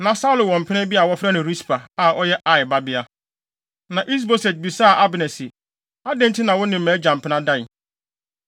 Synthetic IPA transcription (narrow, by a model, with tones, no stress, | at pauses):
nã˨sa˦ʊ˦lʊ˨wɔ̃˨m̩˨pʰɪ˦nɪ̃˦bi˦a˨wɔ˦fɾa˦nʊ̃˨ɾi˦spʰa˨a˨ɔ˦jɛ˦ʔa˦ɪ˨ba˦bɪ˦a˦ | nã˨ʔi˦s̬bo˦sɛ˨t̚bi˨saː˦˨ʔa˦bnɛ˨sɪ˨ | a˦dɛ̃˦n˦tʰɪ˦nã˨wɔ˦nɪ̃˨m̩˨mɛ̃˨˦d͡ʑã˨m̩˨pʰɪ˦nã˦dã˦˨ɪ˨